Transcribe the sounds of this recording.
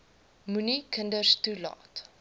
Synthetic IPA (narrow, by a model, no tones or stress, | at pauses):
munikəndərstulɑ̰ːt